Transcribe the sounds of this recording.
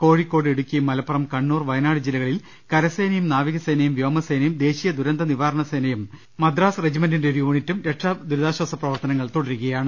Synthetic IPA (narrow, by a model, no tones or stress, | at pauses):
ko̞ːɻikːo̞ːɽeɽukʲːijmːɐlɐpːɐrɐmkɐɳːuːrʋɐjɐnaːɽɨd͡ʑilːɐɣɐɭil | kɐɾɐsejnɐjumnaːʋiɣɐsejnɐjumʋjoːmɐsejnɐjumd̪e̞ːɕijɐd̪uɾɐnd̪ɐniʋaːɾɐɳɐsejnɐjum | mɐd̪raːsred͡ʑimɐndindeoɾiuːɳitːumɾe̞ʈʂɐd̪uɾuðaːɕwɐsɐprɐʋɐrt̪ɐnɐŋːɐɭt̪oɽɐɾuɣɐjaːɳɨ